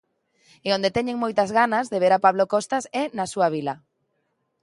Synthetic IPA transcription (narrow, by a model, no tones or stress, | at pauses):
eõnd̪et̪ɛɲeŋmojt̪azɣanazðeβeɾapaβlokost̪asɛnasuaβ̞ilɐ